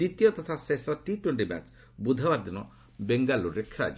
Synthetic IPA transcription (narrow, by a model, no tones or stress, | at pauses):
it̪ijɔt̪ɔt̪ʰasesɔʈiʈuɳʈima̰t͡ʃ | bud̪ʱɔbaɾd̪inɔ | beŋɡaluɾekʰɾa̰jd͡ʒ